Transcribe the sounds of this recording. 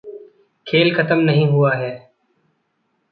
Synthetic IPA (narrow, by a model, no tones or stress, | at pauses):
kʰeːlkʰət̪əmnəɦĩːɦʊaːɦeː